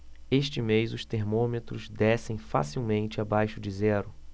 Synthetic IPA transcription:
eʃt͡ʃɪmejzʊst̪eɾmõmet̪ɾʊzd̪ɛsẽj̃fa̰siwmẽnt͡ʃɪabajʃʊd͡ʒɪzɛɾʊ

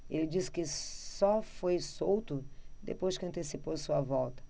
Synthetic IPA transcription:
elɪd͡ʒiskɪsɔfojsowt̪ʊd̪ḛpojzʃkɪɐ̃nt̪esiposuɐvɔwt̪ɐ̥

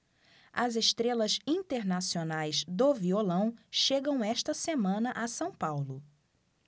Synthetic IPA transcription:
ɐzeʃt̪ɾelɐzĩt̪eɾnasionajzd̪oviolɐ̃w̃ʃeɡɐ̃w̃ɛʃt̪ɐsemɐ̃nɐʔasɐ̃w̃pawlʊ

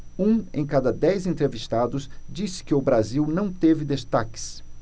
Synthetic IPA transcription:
ũḛ̃j̃kad̪ɐd̪ɛjzẽnt̪ɾeviʃt̪ad̪ʊsd͡ʒisɪ̥kɪʊbɾaziwnɐ̃w̃t̪evɪd̪est̪akɪ̥s

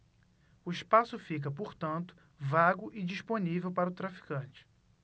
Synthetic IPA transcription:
ʊiʃpasʊfik̬ɐpoɾt̪ɐ̃nt̪ʊ̥ | vaɡʊʔɪd͡ʒiʃponivewpaɾɐʊt̪ɾafi̥kɐ̃t͡ʃɪ̥

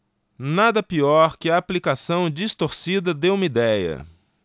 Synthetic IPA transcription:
nad̪ɐpiɔɾkɪɐːplikasɐ̃w̃d͡ʒist̪oɾsid̪ɐd̪ewmid̪ɛjɐ̰

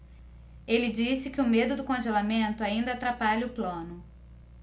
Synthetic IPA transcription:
elɪd͡ʒisɪkɪʊmed̪ʊd̪ʊkõʒelamẽnt̪ʊaĩnd̪ɐaːt̪ɾapaʎɐʊplõnʊ

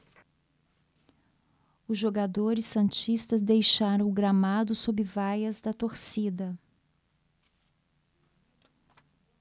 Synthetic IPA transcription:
ʊzʒoɡad̪oɾɪsːɐ̃nt͡ʃist̪ɐzd̪ejʃaɾɐ̃w̃ʊɡɾamad̪ʊsobɪvajɐzd̪ɐt̪oɾsid̪ɐ

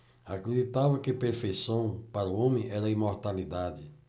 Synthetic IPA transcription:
akɾedit̪avɐkɪpeɾfejsɐ̃w̃paɾuõmẽʔɛɾɐĩmoɾt̪alid̪ad͡ʒɪ

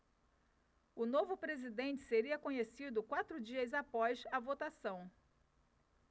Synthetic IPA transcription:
ʊnovʊpɾezid̪ẽnt͡ʃɪ̥seɾiɐkõɲesid̪ʊkwat̪ɾʊd͡ʒiɐzapɔzɐvot̪asɐ̃w̃

